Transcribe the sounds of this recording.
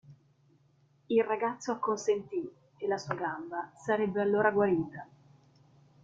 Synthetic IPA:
ilraɡat̪sːoakːonsent̪i | elːasuːaɡambasaɾɛbːealːoːɾaɡwaɾiːt̪a

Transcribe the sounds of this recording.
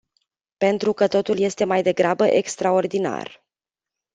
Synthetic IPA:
pe̞nt̪ɾukət̪o̞t̪ulje̞st̪e̞majd̪e̞ɡɾabəʔe̞kst̪ɾao̞rd̪ina̰r

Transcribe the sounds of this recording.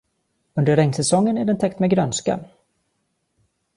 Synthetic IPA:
ɵnd̪əɾɛŋsɛsɔŋːənæɖɛnt̪ʰɛkt̪mɛɡɾœnska̰

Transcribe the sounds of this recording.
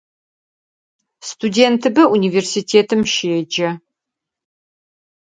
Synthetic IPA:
stʰudeːntʰɨbɐʔuniversitʰeːtʰɨmʃeɛd͡ʒɐ

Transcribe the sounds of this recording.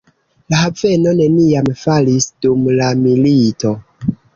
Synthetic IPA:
lahave̞no̞ne̞niamfalisd̥umlamilito̞

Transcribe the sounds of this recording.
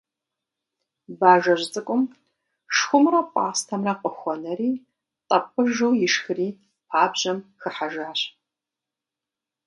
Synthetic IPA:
baːʒɐʑt͡sʼɨkʷʼʊm | ʂxʷʊmrɐpʷʼɑ̰ːstʰɐmrɐqʼəxʷɔnɐɾiː | tʼɐpʼɨʒuwjɪʂxɨriː | pʰaːbʑɐmxɨħaʒaːɕ

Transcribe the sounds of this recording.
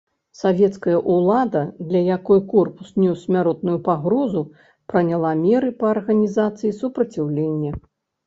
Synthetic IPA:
savʲɛt̪skɐjɐʔulˠad̪ɐd̪lʲɐjakɔjkɔrpu̥snʲɔsmʲaɾɔt̪̚nujupaɣɾɔzu | pɾɐnʲalˠamʲɛɾɨpɐɐrɣɐnʲizat̪sɨjisupɾɐt͡sʲiwlʲenʲːɐ

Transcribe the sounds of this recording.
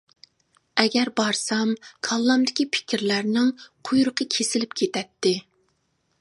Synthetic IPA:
ɛɡʲɛɾbɑɾsɑmkʰɑlˠːɑmd̪ɪkʲipʰɪ̥kʲɪɾlæɾnɪŋqʰujɾʊqʰəkʲʰesɪlɪpkʲʰet̪ɛt̪ʰːɪ

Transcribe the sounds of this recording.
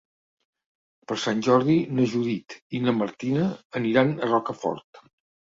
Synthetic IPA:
pəɾsanʲʒɔɾð̞inəʒuðit̪inəməɾt̪inəːniɾanərɔkəfɔ̰ɾt̪

